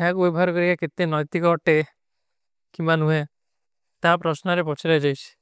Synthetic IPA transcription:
ɛkubebɔɦaɾkɔɾikaket̪enɔjt̪ikɔɔʈe | kimbanue | t̪apɾɔsnɔɾepɔt͡ʃʰiɾajd͡ʒajt͡ʃʰi̥

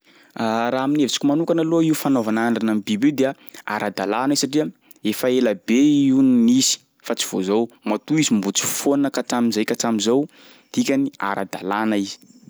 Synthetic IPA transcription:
aɾaɦaminevit͡si̥kimanukanaloiufanovanaɳɖ͡ʐanamibibed̪ea | a̰ɾad̪alanizisaʈ͡ʂiə | efaeləbeiunnizi̥ | fat͡si̥v̥o̰zowmat̪uizimbut͡si̥fonnəkaʈ͡ʂamizajkaʈ͡ʂamizow | d̪̥ikʲania̰ɾa̰d̪a̰lanəizi̥

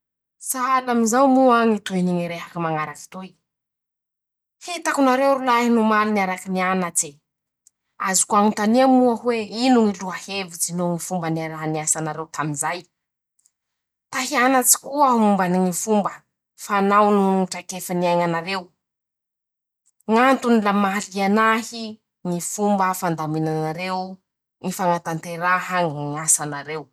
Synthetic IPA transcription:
saalamizawmuaŋit̪uiniŋiɾeɦakimaŋaɾaki̥t̪oj | hit̪akunaɾewɾulaɦinumaniniaɾakinianat͡se | azi̥kuaŋunt̪aniamuaɦweinuŋiluahevid͡zinoŋifumbanaɾaniasanaɾewt̪ʰaminzaj | t̪aɦianat͡si̥kuəumbaniŋifumbə | fanawnuʈ͡ʂakefaniajŋanaɾew | ŋant̪unilamalianahi | ŋifumbəfand̪aminanaɾew | ŋifaŋat̪ant̪eɾaɦaŋŋasanaɾew

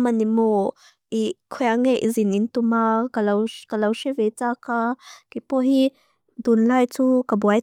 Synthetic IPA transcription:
manimo | ikʰɔjaŋeʔizinint̪umakalawkalawʃevet͡sakakipɔɦi | d̪unlajt͡sukabuaj

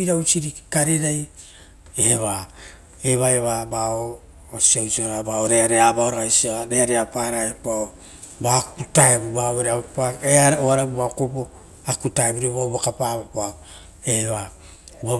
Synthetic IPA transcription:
iɾawt͡ʃiɾikaɾeɾaj | eβa | eβaeβabaoː | siawsioɾabaoɾeaɾeabaoɾaajsiaɾeaɾeapaɾaepao | bakutaebubaoɾeapaeaɾoaɾabubaokobo | akutaebuɾeβabakapabao | eβa | ba

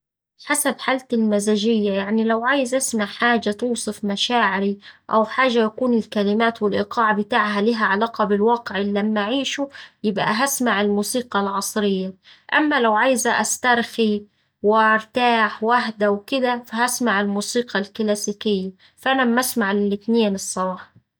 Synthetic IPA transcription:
ħasabħaːlt̪ɪlmazaːd͡ʒɪjːajaʕnilawʕaːjɪzʔasmaʕħaːd͡ʒat̪uːsˤɨfmaʃaːʕɪɾiʔawħaːʒajakuːnɪlkalɪmaːt̪wɪlʔɪqɑːʕabɪt̪aːʕɦalɪɦaʕalaːqɑbɪlwɑːqɪʕɪlːamːaʔʕiːʃʊjɪbʔa̰ɦasmaʕɪlmuːsiːqɑlʕɑsˤɾɪjːaʔamːalawʕajzaʔast̪ɑɾˤxi | wɪʔɑɾˤt̪aːħwaɦd̪awkɪd̪afaɦasmaʕɪlmuːsiːqɑlklaːsiːkɪjːa | faʔanamʔasmaʕlɪlɪt̪neːnɨsˤːɑbɑːħ

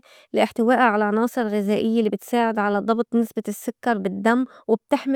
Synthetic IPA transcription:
lɪʔɪħt̪ɪwaːʔaʕalaʕnɑːsˤɨɾˤɣɪzaːʔɪjːalːibɪt̪saːʕɪd̪ʕalad̪ˤɑbt̪ˤnɪsbasːʊkːɑɾˤbɪd̪ːamːwɪb̚t̪ɪħmɪ

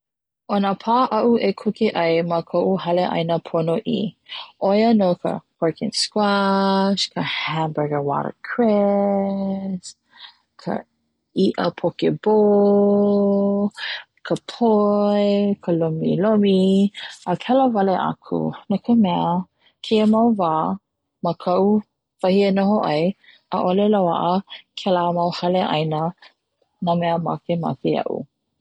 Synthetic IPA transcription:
ʔonəpʰaːʔɐʔuʔekʰukiʔɐjmɐkʰoʔuhɐleʔɐ̰jnɐpʰonoʔḭʔojənokʰə̰kwɛɹkɪ̰̃nskwaʃkʰəhæmbɛɡəwa̰ɾə̰kʰɹɛ | s | kʰə̰ | iʔəpʰokeb̥o | kʰəpʰoekʰəlomḭlomiəkʰɛləvɐleʔa̰kʰṵnakʰəmɛə | kʰeəmɐwvaː | məkʰɐw | v̥ɐhienohoʔɐj | əʔolelawa̰ʔəkʰɛlamɐwhɐleʔɐ̰jnə | namɛəma̰kema̰keɐ̰ʔṵ

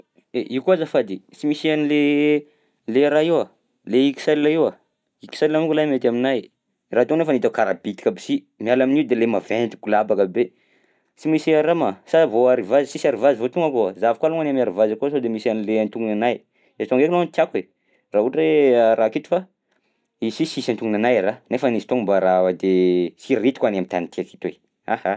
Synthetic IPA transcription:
eʔikuazafad̪it͡simisianile | leɾaiwa | leikʲi̥salilaiwa | iki̥salilamikulamet̪aminaj | rat̪unefanit̪akaɾa̰bit̪i̥kabi̥si | mialaminiud̪elemavent̪i̥kulabakəbe | t͡simisiaɾamasavoaɾivazisisaɾivazivot̪uŋɡakoazavikaluŋanamiaɾivazakosod̪emisanileant̪uŋɡunanaj | et̪oŋɡekunant̪jake | rauʈ͡ʂeaɾakit̪u̥fa | isisisant̪uŋɡunanajaɾanefanisi̥t̪oŋmbaɾawad̪esiɾit̪i̥kwanamit̪anit̪iaki̥t̪we | aha

